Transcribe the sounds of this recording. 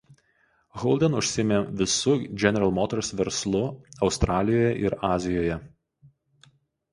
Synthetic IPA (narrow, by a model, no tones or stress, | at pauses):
ɣɔlˠʲd̪ʲɛnʊʃʲsʲɪmʲeːʋʲɪsʊd͡ʒʲɛnʲɛɾɐlˠmoːt̪ʲɛɾʊsʋʲɛɾslˠʊɒʊst̪ɾɑːlʲɪjoːjɛʔɪɾɑːzʲɪjoːjɛ